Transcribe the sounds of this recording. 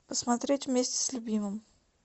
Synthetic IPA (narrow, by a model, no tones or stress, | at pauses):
pəsmat̪ɾʲetʲvmʲesʲtʲɪ̥sʲlʲʊbʲiməm